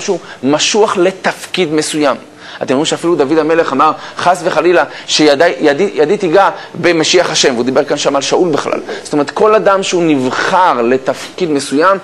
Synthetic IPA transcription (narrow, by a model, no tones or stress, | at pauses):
ʃeumaʃuaχle̞t̪afkid̪mesujam | atemʁimʃeafilud̪avid̪ame̞le̞χamaʁχasveχalilaʃejadajadijad̪it̪iɡabe̞meʃiaχhaʃe̞mveud̪ibe̞ʁkanʃamalʃaʔulbeχla̰lzotome̞ʁet̪ko̞ladamʃeunivχaʁle̞t̪afkid̪me̞sujam